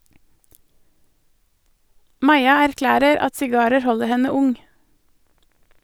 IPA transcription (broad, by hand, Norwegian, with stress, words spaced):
ˈmɑɪɑ æɾˈklæːɾəɾ ˈɑt sɪˈɡɑːɾəɾ ˈhɔləɾ ˈhɛnə ˈʊŋ